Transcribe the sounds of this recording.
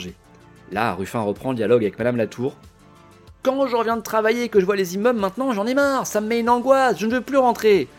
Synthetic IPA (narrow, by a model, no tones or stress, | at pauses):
ʒe | la̰ʁyfɛ̃ʁəpχɑ̃ləd̪jalɔɡavɛk̚mad̪amlat̪ʰuːʁ | kɑ̃ʒəʁəvjɛ̃d̪ət̪χavajeːkəʒəvwalezimɔblmɛ̃t̪nɑ̃ʒɑ̃nɛmaʁsaməmɛynɑ̃ɡwasʒənəvøplyʁɑ̃t̪χe